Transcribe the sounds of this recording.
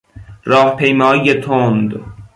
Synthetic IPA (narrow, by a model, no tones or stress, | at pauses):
ɾɒːhpʰejmɒːijet̪ʰond̪